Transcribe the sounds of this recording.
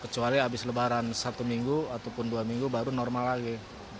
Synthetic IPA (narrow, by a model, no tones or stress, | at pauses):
kət͡ʃualiabɪsləbaɾansat̪umiŋɡuat̪awpʊnduamiŋɡubaɾunɔrmalaɡi